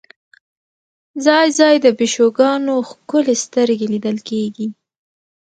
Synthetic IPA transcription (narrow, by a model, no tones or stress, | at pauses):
zɑjzɑjd̪əbɪʃoɡɑnoxkʊlest̪əɾɡelid̪əlkeɡi